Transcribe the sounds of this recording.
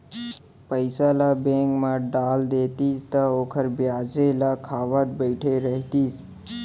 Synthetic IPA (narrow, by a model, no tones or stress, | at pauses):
pəɪsalabẽŋkmãɖaːld̪eːt̪ist̪əoːkʰəɾbjaːd͡ʒelakʰaːʋət̪̚bəɪʈʰeɾəɦt̪iːs